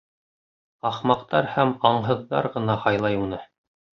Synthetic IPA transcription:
ɑχmɑqt̪ɑɾhæmɑɴɦɤ̆ðːɑ̰ɾʁɤ̆nɑhɑjlˠɑjunɤ

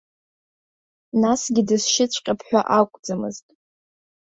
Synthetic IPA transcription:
nasɡʲɪdɨsʃɪt͡sʷʰʼqʲʼapʰħʷᶣaʔakʷʼd͡zamɨ̰ztʼ

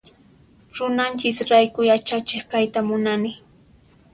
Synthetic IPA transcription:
ɾʊnant͡ʃɪsɾajkʊjat͡ʃat͡ʃɪχkajt̪amʊnanɪ

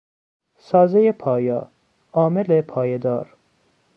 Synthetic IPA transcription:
sɒːzejepʰɒːjɒ̰ː | ɒːmelepʰɒːjed̪ɒ̰ːɾ

